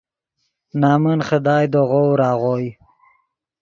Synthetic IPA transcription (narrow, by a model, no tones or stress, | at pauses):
nɑːmənχəd̪ɑːjd̪oʁowɾɑːʁoj